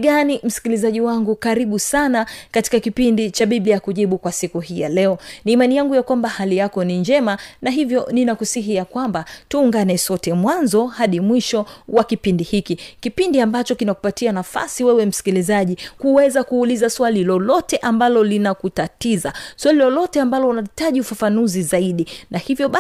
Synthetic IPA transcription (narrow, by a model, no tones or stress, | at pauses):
ɡanim̩si̥kilizaʄiwaŋɡukaɾiɓusanakati̥kakipindit͡ʃaɓiɓlijakuʄiɓukwasikuɦija̰lɛɔniːmanijaŋɡujakwambahalijakɔniɲd͡ʒɛmanaɦivjɔninakusiɦijakwambatuːŋɡanɛsɔtɛmwanzɔhaɗimwiʃɔwakipindihikikipindiambat͡ʃɔkinaku̥patianafa̰siwɛwɛm̩si̥kilizaʄikuwɛzakuːlizaswalilɔlɔtɛʔambalɔlinakutatizaswalilɔlɔtɛambalɔunaitaʄiufafanuzizaiɗinahivjɔɓa